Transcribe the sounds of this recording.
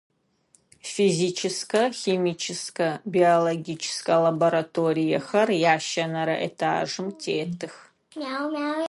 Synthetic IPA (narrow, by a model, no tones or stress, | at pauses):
fiziːt͡ʃʰɪskɐximiːt͡ʃʰɪskɐbioloɡʲiːt͡ʃʰɪ̥skɐlɐboɾɐtʰoːɾijɐxɐrjaːʃɐnɐɾɐ̰ʔḛtʰa̰ːʐɨmtʰeːtʰɨx | mawmaw